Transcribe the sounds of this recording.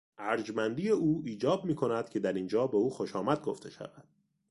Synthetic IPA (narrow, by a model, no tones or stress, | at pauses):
ʔæɾd͡ʒmænd̪iːeuːiːd͡ʒɒːb̚miːkʰo̞næd̪̥cʰe̞d̪æɾind͡ʒɒːbeuːxoʃɒːmæd̪̚ɡo̞ft̪ʰe̞ʃæ̰væd̪̥